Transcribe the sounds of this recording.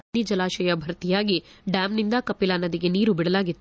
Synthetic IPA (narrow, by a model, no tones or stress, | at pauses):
id͡ʒɐlaːʃɐjɐbʱɐɾɐt̪ijaːɡiɖaːmnind̪ɐkɐpːilaːnɐd̪iɡe̞niːɾubiɽɐlaːɡit̪ːu